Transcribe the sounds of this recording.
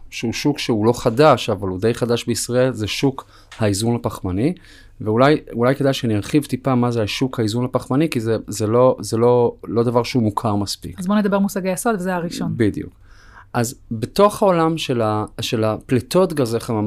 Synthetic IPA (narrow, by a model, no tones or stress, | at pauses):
ʃeuʃukʃeulo̞χadaʃavalud̪e̞jχad̪aʃbeisʁae̞lzeʃuk | haizunhapaχmani | veulajulajkedajʃeaniaʁχivt̪ipamazeaʃukhaizunhapaχmanikizezelo̞zelo̞lo̞d̪avaʁʃeumukʰaʁmaspḭkazboned̪abe̞ʁmusaɡejaso̞d̪vezeaʁiʃo̞nbid̪ijṵk | ʔazbeto̞χhao̞lamʃelaʃe̞laplet̪o̞tɡazeχama